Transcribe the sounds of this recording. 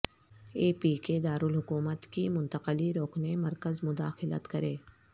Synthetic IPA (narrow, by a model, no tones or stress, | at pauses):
eːpiːked̪aːɾʊlɦʊkuːmət̪kimʊ̃nt̪əqəliɾoːkʰnemɐɾkəzmʊd̪aːxɪlə̰t̪kɐɾeː